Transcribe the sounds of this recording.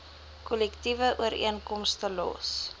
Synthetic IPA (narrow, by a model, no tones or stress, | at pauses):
kɔlɛktivəʔuəɾḭənkɔmstəlɔ̰s